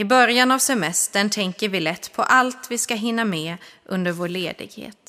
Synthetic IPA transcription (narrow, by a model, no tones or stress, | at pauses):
ɪbœɾjanavsɛmɛst̪əɳt̪ʰɛŋkəɾvɪlɛt̪ːpʰɔʔalt̪vɪskaɦɪnːamɛʔɵnd̪əɾvoːɭeːd̪ɪ̰ɡhḛːt̪